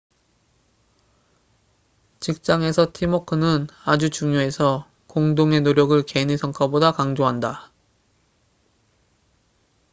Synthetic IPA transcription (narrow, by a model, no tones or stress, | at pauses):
t͡ɕik̚t͡ɕ͈aŋe̞sʰʌtʰimokʰɯnɯnad͡ʑut͡ɕuŋjoe̞sʰʌ | koŋdoŋe̞noɾjʌɡɯɭkenisʰʌŋkʰabodakaŋd͡ʑoɦanda